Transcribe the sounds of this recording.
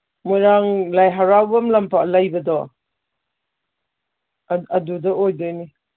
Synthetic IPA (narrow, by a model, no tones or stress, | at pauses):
mujɾaŋlajɦaɾawbɐmlɐmpʰalajbɐdɔ | ɐdudɐojdojni